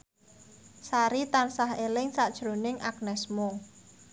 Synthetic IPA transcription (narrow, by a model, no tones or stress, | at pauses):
saɾit̪ansaɦelɪŋsaʔd̥ʒ̥ɾonɪŋʔak̚nɛsmʊŋ